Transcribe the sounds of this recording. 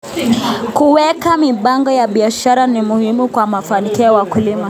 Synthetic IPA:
kuwɛkamiɓaŋɡɔjaɓiaʃaɾanimuhimukwamafanikiɔwakulima

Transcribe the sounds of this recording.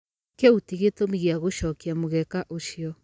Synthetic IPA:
keutiɣetomiɣeaɣoɕɔːkiamoɣɛkaʔoɕiɔ

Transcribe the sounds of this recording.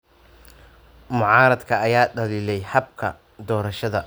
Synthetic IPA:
mʊʕɑːɾɐd̪kʰɐːjaːɖɐliːlɛjħɐbkʰɐ̰ | d̪ɔːɾɐʃɐðɐ

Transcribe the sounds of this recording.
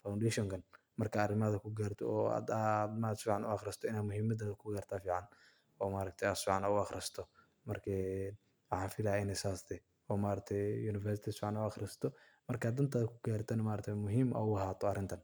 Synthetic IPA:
fawnɖɛʃɔŋkʰɐn | mɐrkʰɐːrɪmaðɐkʰʊɡaːɾt̪ʰɔɔa̰d̪ad̪mad̪sfiːʕanʊɐxɾɪst̪ʰɔɪnaːmʊhiːmɐd̪aðkʰʊɡaːɾt̪ʰaːfiːʕɑn | ɔːmaːɾɐk̚t̪ʰɛjasfiːʕanɔʊɐxɾɪst̪ʰɔ | mɐrkʰɛ | wɑħaːnfɪlaːɪnɛsaːsd̪ɛ | ɔːmaːɾɐt̪ʰɛjjuːnɪfɛrsɪt̪ʰɪfiːʕanʊɐxɾɪst̪ʰɔ | mɐrkaːd̪ɐnt̪ʰaðkʰʊɡaːɾt̪ʰɐnmaːɾɐt̪ʰɛmʊɦiːmɐ̰wɦaːt̪ʰɔɐrɪnt̪ʰɐn

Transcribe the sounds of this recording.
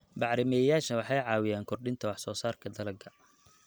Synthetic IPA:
bɑʕɾɪmɛjaːʃɐwɑħɑjʕɑːwɪjaːŋkʰʊrɖɪnt̪ʰɐwɑħsɔːsaːrkʰɐd̪ɐlɐɡʰɐ

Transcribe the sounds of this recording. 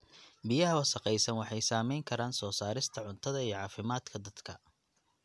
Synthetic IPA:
bɪjɐɦɐwɐsɐqɛjsɐnwɑħɑjsaːmɛjŋkʰɐɾaːnsɔːsaːɾɪst̪ʰɐʕʊnt̪ʰɐðɐijɞʕɑːfɪmaːd̪kʰɐd̪ɐd̪̥kʰɐ

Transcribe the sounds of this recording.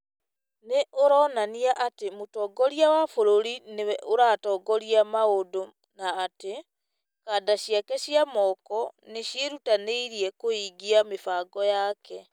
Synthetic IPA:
neʔoɾɔːnaniaʔatemotɔːɡɔɾiawafoɾoɾinewɛʔoɾaːtɔɡɔɾiamaodo | naːte | kaːdaɕiakɛɕjamɔkɔneɕjeɾutaneiɾiɛkoiːɡiamefaːɡɔjaːkɛ

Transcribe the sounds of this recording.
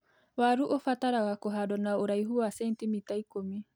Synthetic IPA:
waɾuʔofat̪aɾaɣakɔɦadɔnaoɾajɦuasent̪imit̪ajkomi

